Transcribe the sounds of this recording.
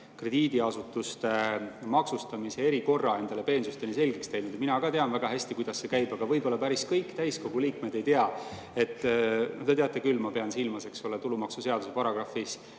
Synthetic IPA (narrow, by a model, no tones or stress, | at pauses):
kre̞d̪̥iːd̪iɑsut̪ːˑust̪e̞mɑksust̪ɑmisee̞ɾiko̞rːɑe̞nd̪̥ɑle̞pe̞ːnsust̪eniselʲɡekst̪ejnud̪̥ɑminɑɡɑt̪e̞ɑnvæɡ̥ɑhæsʲt̪ikujd̪̥ɑsːe̞kæjb̥ɑɡ̥ɑvɤjbo̞lːɑpæɾiskɤjkːt̪æjsko̞ɡ̥uliːkme̞d̪e̞jt̪eɑ | e̞t̪ːˑnod̪e̞t̪eɑt̪ːˑekylːmɑpe̞ɑnsilmɑse̞ksolet̪ulumɑksuse̞ɑd̪use̞pɑɾɑɡ̥ɾɑfis